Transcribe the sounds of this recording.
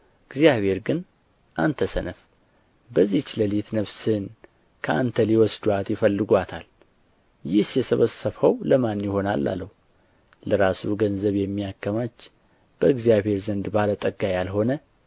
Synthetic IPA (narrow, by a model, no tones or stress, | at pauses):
ɨɡzijaβhe̞ɾɡɨn | ʔant̪ʰəsənəf | bəzːit͡ʃːləlit̪nəβsɨn | kʰəʔa̰nt̪ʰəliwɔsd̪uat̪jɪfəlːɨɡʷat̪ʰal | jɪhsjɛsəβəsəβhəwləmanːjɪho̞nalːa̰lːəhu | ləɾasuɡənzəβjɛmːijakːəmat͡ʃː | b̥əɨɡzijaβhe̞ɾzənd̪balət̪ʼəɡajalɦo̞nə